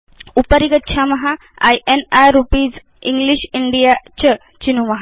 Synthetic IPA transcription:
upəɾiɡətːɕʰamɐɦa | a̰jʔenajɾupid͡z | iŋɡliɕiɳɖijat͡ɕə | t͡ɕinuməɦa

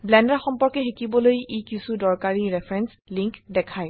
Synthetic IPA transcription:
blɛndaɹxɔmpɔɹkɛxikibɔlojekisudɔɹkaɹiɹɛpʰɹɛns | liŋkdɛkʰaj

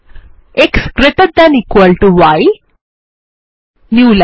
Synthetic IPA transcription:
ekskɾeʈəʈ̚d̪æ̃nikʋəlʈuʋaj | njuːl

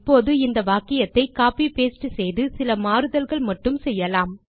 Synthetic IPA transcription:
pːoːðɯɪnd̪ɐʋaːkɪjɐt̪ːɐɪkaːpipeːsʈːɯsɛjðɯsɪlɐmaːɾɯðɐlɣɐɭmɐʈːɯmsɛjːɐlaːm

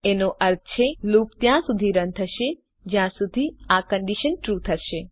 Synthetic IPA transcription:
enoʔəɾt̪̚t͡ʃʰelupt̪jãsud̪ʱiɾə̃nt̪ʰəʃe | d͡ʒjãsud̪ʱiakəɳɖiʃənʈɾut̪ʰəʃe

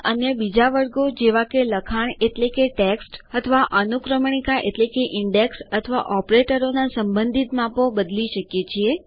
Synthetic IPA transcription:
ʔənjəbid͡ʒaʋəɾɡod͡ʒeʋakeləkʰaɳeʈlekeʈeksʈət̪ʰəʋaʔənukɾəmɳikaʔeʈlekeʔiɳɖeksət̪ʰəʋa̰ʔɔpɾeʈəɾonasəmbə̃nd̪ʱit̪mãpobəd̪liʃəkjet͡ʃʰie

